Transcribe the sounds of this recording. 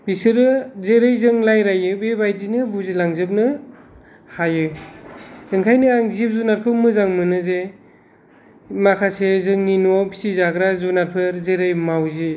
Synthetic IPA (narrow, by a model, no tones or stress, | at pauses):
bisɯɾɯzeɾɯjzɯŋlajɾajɯbebajdinɯbuzilaŋzɯp̬̚nɯ | hajɯ | ɯŋkʰajnɯaŋzip̚zunaɾ̚pʰɯmɯzaŋmɯnɯze | makʰasezɯŋninapʰi̥sizaɡɾazunat̚pʰɯɾzeɾɯjmawzi